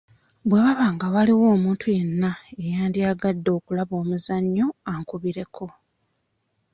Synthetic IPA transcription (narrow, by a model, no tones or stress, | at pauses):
bwe̞βaβaːŋɡawaliwo̞ːmuːntʰuje̞nːaejaːndiaɡadːo̞ːkulaβo̞ːmuzaɲːo̞aŋkuβiɾe̞kʰo̞